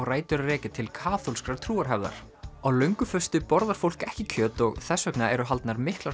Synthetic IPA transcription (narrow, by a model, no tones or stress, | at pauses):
ɣraːjt̪ʏɾarɛːcɪt̪ʰɪlkʰaːθolskɾaɾt̪ʰɾuːaɾ̥ɦɛvða̰ɾ̥ | awlœɥŋkʏfœst̪ʏpɔɾðaɾ̥fowl̥kɛhcɪcʰœːt̪ɔɣθɛsːœknaɛɾʏɦalt̪naɾmɪhkla